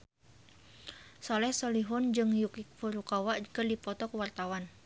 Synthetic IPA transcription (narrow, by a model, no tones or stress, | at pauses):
sɔlɛhsɔliɦɔnd͡ʒɨŋjukik̚fuɾukawaʔkərdipɔt̪ɔkəwart̪awan